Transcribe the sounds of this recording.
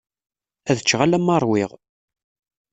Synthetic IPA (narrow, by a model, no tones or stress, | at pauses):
æðət͡ʃːʁalæmːɑɾˤwɪʁ